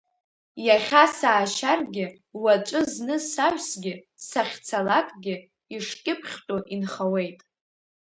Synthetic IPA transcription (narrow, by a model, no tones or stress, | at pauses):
jaχʲasaːʃarɡʲɪ | wat͡ʃʷʼɨznɨsaɥʷᶣsɡʲɪ | saχʲt͡sʰalakʼɡʲɪ | iʂkʲʼɪpʰχʲtʷʼuʔinχawe̞jtʼ